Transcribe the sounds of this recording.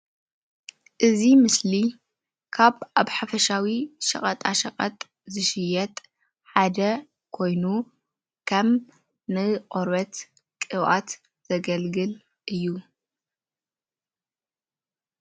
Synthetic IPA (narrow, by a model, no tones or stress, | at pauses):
ʔɨzimɨsli | kʰaβaβħafɐʃawiʃɐ̰χʼɐt̪ʼaʃɐqʼɐt̪ʼ | zɨʃɪjɛt̪ʼ | ħad̪ɐ | kʰo̞jnu | kʰɐm | nɨqʼoɾɐt̪ | kʼɨβʔa̰t̪ | z̥ɐɡɐlɡɨl | ʔɨjːu